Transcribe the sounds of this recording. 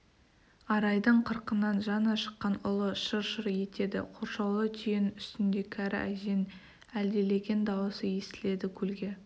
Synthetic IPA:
ɑɾɑjd̪əɴqʰəɾqənːɑnʒɑnɑʃə̥qːɑnʊlˠəʃəɾʃəɾje̞t̪e̞d̪ɪ̰qʰoɾʃɑwlˠət̪ʰijɪnʏst̪ɪnd̪e̞kʲʰæɾɪ̰ʔæ̰ʒe̞n | æld̪e̞le̞ɡʲe̞nd̪ɑwəsəje̞st̪ɪle̞d̪ɪkʲʰɵlɡʲe̞

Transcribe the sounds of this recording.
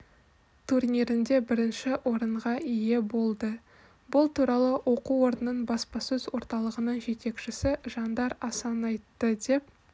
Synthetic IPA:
t̪ʰurnʲiɾɪnd̪e̞bɪɾɪnʃɪwʔo̞ɾəɴʁɑʔije̞bo̞lˠd̪ə | bʊlˠt̪uɾɑlˠəwʔo̞quo̞ɾənːəɴbɑspɑsɵzwo̞ɾt̪ɑlˠəʁənəɴʒe̞t̪e̞kʃɪsɪʒɑnd̪ɑɾɑsɑnɑjt̪ːəd̪e̞p̚

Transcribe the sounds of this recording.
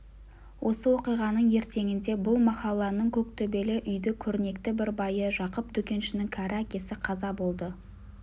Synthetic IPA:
wʔo̞səwo̞qijʁɑnəɴje̞ɾt̪e̞ŋɪnd̪e̞bʊlˠmɑqɑlˠɑnəɴkʲʰɵk̚t̪ʰɵbe̞lɪʔʏjd̪ɪkʲʰɵɾɪne̞k̚t̪ɪbɪɾbɑjəʒɑqəpd̪̥ʏkʲe̞nʃɪnɪŋkʲʰæɾɪækʲe̞sɪqʰɑzɑbo̞lˠd̪ə

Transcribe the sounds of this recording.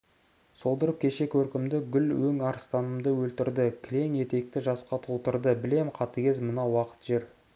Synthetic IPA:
so̞lˠd̪əɾəp̚kʲʰe̞ʃe̞kʰɵɾkʲɪmd̪ɪɡʲʏlwɵŋɑɾst̪ɑnəmd̪əwɵlt̪ɪɾd̪ɪkʲʰɪle̞ŋje̞t̪e̞k̚t̪ɪʒɑsqɑt̪ʰolˠt̪əɾd̪əbɪle̞mqʰɑt̪əkʲe̞zmənɑwɑqə̥t̪ʒe̞ɾ

